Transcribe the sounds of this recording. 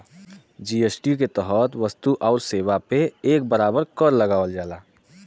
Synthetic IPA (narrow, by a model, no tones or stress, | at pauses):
d͡ʒiesʈiuk̬et̪əɦət̪ʋəst̪uʔɔʊɾseːʋapeeːk̚bəɾaːbəɾkəɾləɡaːwəld͡ʒaːlaː